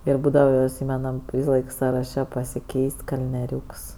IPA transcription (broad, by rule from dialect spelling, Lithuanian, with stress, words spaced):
ˈɪr ˈbuːdɐʋɐ ɪˈsʲiːmʲɛnɐm ˈʋʲiːsɐˌlˠɐɪk sɐrɐˈʃʲɛ pɐsʲɪˈkʲɛɪsʲtʲ kɐlʲnʲiɛˈrʲuːks